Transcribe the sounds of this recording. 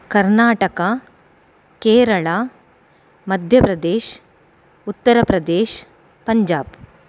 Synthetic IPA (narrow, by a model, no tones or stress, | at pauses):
kɐɾnaːʈɐka | keːɾɐɭaː | mɐd̪ʱjɐpɾɐd̪eːʃ | ut̪ːɐɾɐpɾɐd̪eːʃ | pɐɲd͡ʒaːb